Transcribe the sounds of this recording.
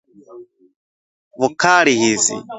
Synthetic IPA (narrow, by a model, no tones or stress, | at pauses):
βukaɾihizḭ